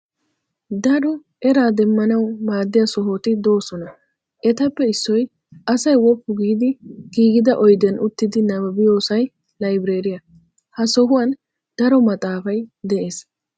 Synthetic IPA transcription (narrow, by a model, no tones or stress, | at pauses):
d̪ɐɾɔ | ʔɛɾaːd̪ɛmːɐnɐwmaːd̪ːɪjɐsɔɦoːt̪ɪd̪o̞ːsɔnɐ | ʔɛt̪ɐpːɛɪsːɔj | ʔɐsɐjwɔpːʊɡiːd̪ɪɡ̥iːɡɪd̪ɐʔɔjd̪ɛnʔʊt̪ːɪd̪ɪnɐbɐbɪjo̞ːsɐj | lɐjbɪɾe̞ːɾɪjɐ | hɐsɔɦʊwɐn | d̪̥ɐɾɔmɐt̪ʼaːfɐjd̪ɛʔe̞ːs